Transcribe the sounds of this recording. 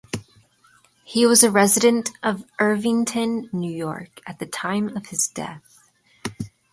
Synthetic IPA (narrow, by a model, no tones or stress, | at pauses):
hiwʌzɨɹɛzɨɾɨ̃ntʔʌvɜ˞vɪ̃ŋtʰɨ̃nːʉjɔ̰ɹkɨt̪̚ðɨtʰãɪ̃mʌv̥ɨzdɛ̰θ